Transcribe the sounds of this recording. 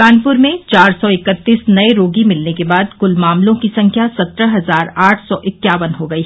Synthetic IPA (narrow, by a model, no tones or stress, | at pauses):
aːnpʊɾmẽt͡ʃaːɾsɔɪkət̪ːiːsnɐeɾoːɡimɪlnekebaːd̪kʊlmaːmlõkisɐ̃ŋkʰjasɐt̪ɾəɦɐzaːɾaːʈʰsɔːʔɪkːjaːʋənɦoɡɐiː